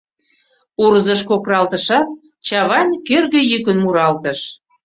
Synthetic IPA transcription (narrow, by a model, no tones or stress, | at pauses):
uɾzəʃkokrɑlt̪əʃɑt̪̚ | t͡ɕɑβɑnkørɣə̆jykənmuɾɑlt̪ə̆ʃ